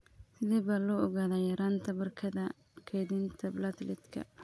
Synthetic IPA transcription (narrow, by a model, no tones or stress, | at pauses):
sɪðɛːβɐlɔːɔɣaːðɐːjɐɾaːnt̪ʰɐbɐrkʰɐðɐ | kʰɛjðɪnt̪ʰɐblɐt̪lɪt̪kʰɐ̰